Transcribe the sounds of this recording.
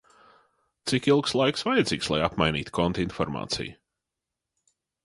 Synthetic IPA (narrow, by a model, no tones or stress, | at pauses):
t̪sikilˠkslˠajksvajɪd̪ziːkslˠa̰japmajniːt̪kɔnt̪infɔɾma̰ːt̪sḭj